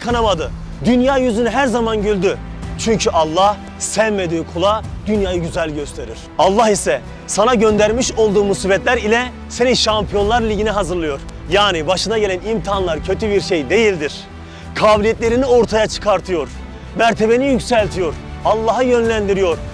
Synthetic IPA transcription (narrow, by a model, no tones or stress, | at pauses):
kʰanamad̪ɯ | d̪ynjaːjyzynyɦæɾzamanɟylʲd̪yt͡ʃʰyɲcʰyʔalˠːah | sɛvme̞d̪iːkʰulˠad̪̥ynjaːjɯɟyzælʲɟø̞st̪ʰe̞ɾiɾ̥alˠːahisɛ | sanaɟø̞nd̪æɾmiʃo̞lˠd̪uːmusibɛt̪lʲæɾilʲɛ | se̞niʃampʰijo̞nlˠaɾlʲiɟiniɦazɯɾlˠɯjo̞ɾ | jaːnibaʃɯnaɟe̞lʲænimt̪ʰianlˠaɾcʰø̞t̪ʰybiɾʃe̞jd̪e̞jilʲd̪iɾ̥ | kʰaːbilʲijɛt̪ʲlʲe̞ɾinio̞ɾt̪ʰajat͡ʃʰɯ̥kʰaɾt̪ʰɯjo̞ɾ | mæɾt̪ʰe̞be̞nijycsælʲt̪ʰijo̞ɾalˠːaɦɯjø̞nlʲænd̪iɾijo̞ɾ